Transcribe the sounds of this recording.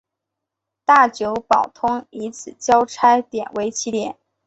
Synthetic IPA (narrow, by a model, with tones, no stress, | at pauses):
t̪a˥˩t͡ɕjo˧˥ʊpɑ˨˩ʊt̪ʰʊ˥ŋi˧˥t͡sʰɹ̩˨˩t͡ɕjɑ˥ʊʈ͡ʂʰa˥ɪt̪jɛ̰˨˩nwe˧˥ɪt͡ɕʰi˧˥t̪jɛ˨˩˦n